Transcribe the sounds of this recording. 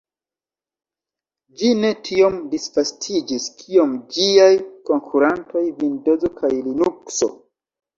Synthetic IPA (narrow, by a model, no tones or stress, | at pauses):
d͡ʒine̞tʰio̞mdisfastʰid͡ʒiskʰio̞md͡ʒiajko̞ŋkʰuɾanto̞jvindo̞zo̞kʰajlinukso̞̰